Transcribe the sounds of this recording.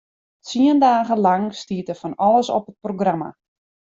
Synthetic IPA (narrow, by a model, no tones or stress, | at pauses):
t͡siəndaːɣəlaŋstiətəfɔnɔləsɔ̰pət̚proɡrama̰